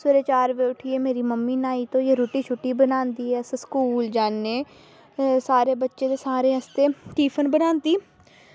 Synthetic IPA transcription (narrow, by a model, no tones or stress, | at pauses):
sʊɾeːt͡ʃaːɾʋeʊʈʰiemeːɾiːməmːiːnaːiːt̪oːjeːɾoʈiːt͡ʃʰʊʈːiːbənãːnd̪iːɦɛːsskuːld͡ʒaːnːeː | saːɾeːbətːʃet̪esaːɾeɦəst̪eːʈiːpʰənbənãːnd̪iː